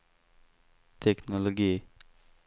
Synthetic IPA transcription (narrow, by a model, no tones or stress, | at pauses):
t̪ʰekʰnoloɡi